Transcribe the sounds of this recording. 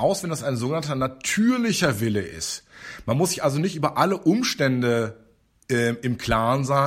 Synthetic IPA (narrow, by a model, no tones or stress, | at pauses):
ʔaʊsv̥ɛndasaɪnzoːɡənantɐnatʰyːɐlɪçɐvɪləʔɪ̰stmanmʊsz̥ɪçʔalzonɪçtʔyːbɐʔaləʔʊmʃtɛndə | ʔɛːɪmkʰl̥aːnzaː